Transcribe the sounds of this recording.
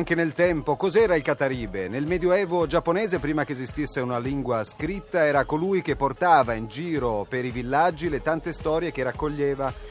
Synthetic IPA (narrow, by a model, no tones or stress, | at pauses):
ŋk̟enelt̪ɛmpokɔzɛːɾailkat̪aɾiːbenelmɛːd̪joɛːvod͡ʒapːonɛːzepɾiːmakeːzist̪isːeunaliŋɡwaskɾit̪ːaɛːɾakolujk̟epːort̪aːvaind͡ʒiːɾopeɾivilːad͡ʒːilet̪ant̪est̪ɔːɾjekerakːoʎːeːva